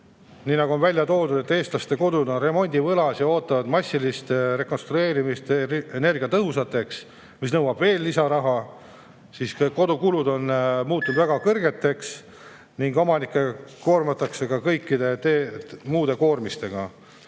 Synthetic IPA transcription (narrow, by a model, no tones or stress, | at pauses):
niːnɑɡuo̞nvælʲjɑt̪o̞ːd̪ud̪̥e̞t̪ːe̞ːst̪lɑst̪e̞ko̞d̪ud̪o̞nre̞mo̞nʲd̪̥ʲivɤlɑsjɑo̞ːt̪ːˑɑvɑd̪̥mɑsʲːilist̪re̞ko̞nst̪ɾue̞ːɾimist̪ene̞rɡiɑt̪ɤɦusɑt̪ːˑe̞ks | mis̬nɤwɑb̥ve̞ːlːisɑɾɑɦɑ | sisko̞d̪ukulud̪o̞nmuːt̪ːˑud̪væɡ̥ɑkɤrɡ̥e̞t̪ːˑe̞ks | niŋɡomɑnikːˑeko̞ːrmɑt̪ːˑɑkse̞kɑkɤjkːid̪e̞t̪emuːd̪e̞ko̞ːrmist̪e̞ɡ̥ɑ